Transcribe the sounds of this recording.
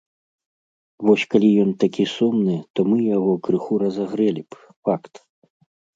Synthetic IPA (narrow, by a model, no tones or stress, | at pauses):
vɔsʲkalʲijɔnt̪akʲisumnɨt̪ɔmɨjaɣɔkɾɨxuɾɐzaɣɾɛlʲib | fakt̪